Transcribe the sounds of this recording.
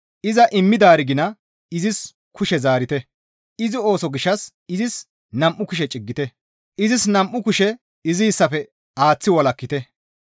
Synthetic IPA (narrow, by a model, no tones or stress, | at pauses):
ʔɪzɐʔɪmːɪd̪aːɾɪɡɪnɐ | ɪzɪs | kʰʊʃɛzaːɾɪt̪ɛ | ɪzɪo̞ːsɔɡɪʃːɐs | ɪzɪs | nɐmʔːʊkʊʃɛt͡ʃʼɪɡːɪt̪ɛ | ʔɪzɪsnɐmʔːʊkʊʃɛ | ɪziːsːɐfɛ | aːt͡sːɪwɐlɐkːɪt̪ɛ